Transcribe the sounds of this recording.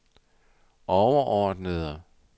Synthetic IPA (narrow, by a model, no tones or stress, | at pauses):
ʔɒʊɐʔɒːd̥nəðˠə